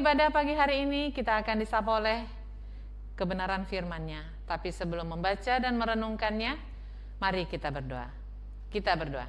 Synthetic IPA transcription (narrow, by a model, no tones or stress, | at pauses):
badapaɡiɦaɾiːnikit̪aːkandisapaolɛh | kəbənaɾanfirmanɲa | t̪apisəbəlʊmːəmbat͡ʃadanməɾənuŋkanɲa | maɾikit̪abərdoa̰ | kit̪abərdoa̰